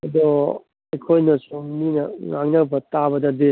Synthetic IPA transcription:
ɐd̪ɔ | ejkʰojnɐsumminɐŋaŋnɐbɐtabɐdɐde

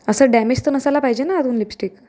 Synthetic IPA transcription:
əsəːɖæmed͡ʑt̪ənəsalapajd͡ʑenaːd̪uːnlipsʈiːk

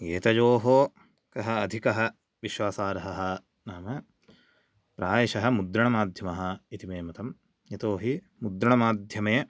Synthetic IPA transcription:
jeːt̪ɐd͡ʒoːɦoː | kɐɦɐːd̪ʱikɐɦɐ | ʋiʃwaːsaːɾɐɦɐɦɐ̆ | naːmɐ | pɾaːjɐʃɐɦɐ̆mud̪ɾɐɳɐmaːd̪ʱjɐmɐɦɐ̆it̪imeːmɐt̪ɐm | jet̪oːɦi | mud̪ɾɐɳɐmaːd̪ʱjɐmeː

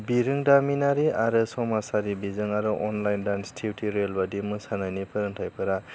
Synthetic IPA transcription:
biɾɯŋdaminaɾiaɾɯsɔmasaɾibizɯŋaɾɯʔɔnlajndanstʰiwtʰiɾelbadimɯsanajnipʰɯɾɯŋtʰajpʰɯɾa

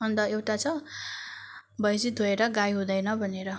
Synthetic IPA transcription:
ʌnd̪ʌewʈat͡sʰʌ | bʌjd͡zit̪oeɾʌɡajɦũd̪ʌjnʌbʱʌneɾʌ

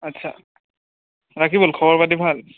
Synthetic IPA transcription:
atːsʰa̰ | ɹakʰibolkʰɔbɔɹpadibʱal

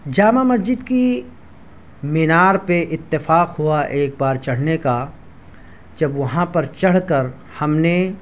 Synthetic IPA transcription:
d͡ʒaːmamɐsd͡ʒɪd̪ki | mɪnaːɾpeʔɪt̪ːɪfaːqɦuaʔeːk̚baːɾt͡ʃɐɽ̤neka | d͡ʒɐbʋɐɦãpɐɾt͡ʃɐɽ̤kɐɾ | hɐmne

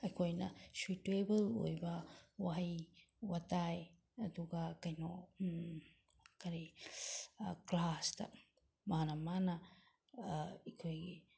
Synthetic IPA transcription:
ɐkʰojnɐ̰situebəlo̰jbɐwaɦaj | wataj | ɐtuɡakajno | kaɾi | klasta̰ | manamana | ikʰojɡi

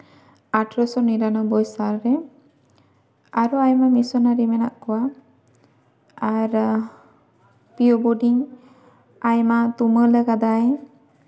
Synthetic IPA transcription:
aʈɾɔsɔniɾanɔbɔjsaɾɾɛ | aɾuajmamisɔnaɾimɛna̰ʔkɔwa | aɾ | piɔbɔɖiŋ | ajmat̪umələɡad̪aj

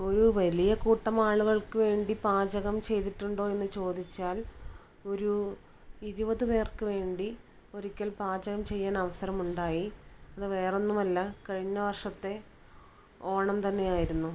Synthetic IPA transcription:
o̞ɾuʋɐlijɐkuːʈːɐmaːɭuɣɐɭkɨʋe̞ːɳɖipaːd͡ʑɐɣɐmt͡ɕe̞jt̪iʈːuɳɖo̞ːe̞nːɨt͡ɕo̞ːd̪it͡ɕːaːl | o̞ɾu | iɾubɐðɨpe̞ːrkɨʋe̞ːɳɖi | o̞ɾikʲːɐlpaːd͡ʑɐɣɐmt͡ɕe̞jːaːnɐʋɐsɐɾɐmuɳɖaːjiɐðɨʋe̞ːre̞nːumɐlːɐkɐɻiɲːɐʋɐrʂɐt̪ːe̞ | o̞ːɳɐmt̪ɐnːe̞jaːjiɾunːu

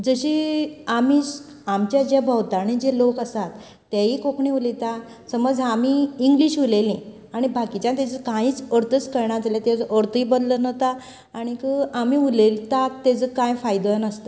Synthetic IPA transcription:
d͡zəɕiamiːs | amt͡ɕjad͡ʑabʱəwt̪aɽ̃id͡ʑelokəsat̪ː | aɦikokɳĩulit̪a | səməd͡zamiːŋɡliɕulelĩ | aɽ̃ibʱakit͡ɕjãnt̪̬at͡ɕəkãɦiːt͡səɾt̪ət͡skəɾɳad͡zaljat̪jad͡zʔəɾt̪iːbəd̪lənət̪aː | ɽ̃ikəamiːulelt̪at̪ːed͡zəkãjfajd̪ojanəst̪a

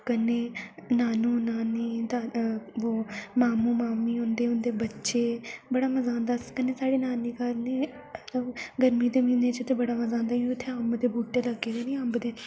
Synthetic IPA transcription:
kənːeːnaːnũːnaːniːd̪aːʋoːmaːmũːmaːmiːʊnd̪eːʊnd̪eːbətːʃeːbəɽaːməzãːnd̪aːskənːeːsaːɽeːnaːniːkaɾneː | t̪əɡəɾmiːd̪eːmĩːneːt͡ʃət̪eːbəɽaːməzãːnd̪aːĩʊt̪ʰːeambd̪eːbuːʈeːləɡeːd̪eːniːambd̪eː

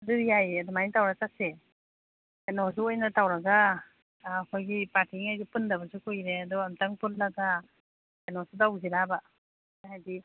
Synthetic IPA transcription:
adujajadɔmajiŋtawɾasase | enɔs̬uojnatawɾaɡaː | kʰojɡipaɾtiŋajɡipɯndabasukʰojɾeadɔamtaŋpunlaɡa | anɔsudawziɾaba | hajdi

